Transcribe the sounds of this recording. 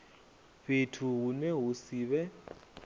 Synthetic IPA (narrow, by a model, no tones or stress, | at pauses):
βetʰuɦunɛɦusiːβɛ